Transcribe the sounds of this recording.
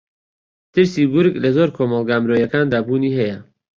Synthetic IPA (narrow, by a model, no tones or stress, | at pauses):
t̪ʰɨɾsiːbʊɾɡlɐzoːɾkʰoːmɑlˠɡaːmɾoːjɐkaːnd̪aːbuːniːɦɛjɐ